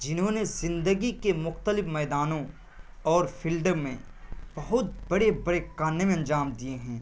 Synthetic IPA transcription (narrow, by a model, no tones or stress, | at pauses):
d͡ʒɪnɦõnezɪ̃nd̪əɡikemʊxt̪əlɪfmɛːd̪aːnõ | ɔːɾfʰiːlɖəɾmẽb̥ɐɦʊt̪̚bɐɽebɐɽekaːnːemẽɐ̃nd͡ʒaːmd̪ieɦɛ̃ː